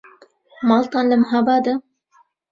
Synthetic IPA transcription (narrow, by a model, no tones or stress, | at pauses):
mɑlt̪ɑːnləmɦabɑːd̪ə